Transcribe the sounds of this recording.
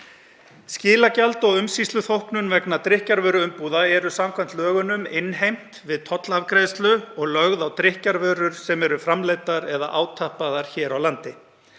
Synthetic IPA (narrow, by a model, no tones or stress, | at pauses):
scɪːlacalt̪ɔɣʏmsist̪lʏθowhknʏnvɛknat̪ɾɪhcaɾvœːɾʏʏmpuːðaɛɾʏsamkʰvam̥t̪lœːɣʏnʏmɪnɦejm̥t̪vɪðt̪ʰɔt̪lavkɾeːst̪lʏɔɣlœɣðawt̪ɾɪhcaɾvœːɾʏɾ̥sɛmɛɾʏfɾamlejt̪aɾɛða̰ʔaːwt̪ʰahpaðaɾ̥çɛːɾawlant̪ɪ